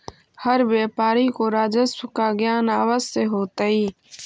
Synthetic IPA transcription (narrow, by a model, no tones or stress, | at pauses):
həɾʋjeːpaːɾikoːɾaːd͡ʒəskaɡjaːnaːʋəzseɦoːt̪aiː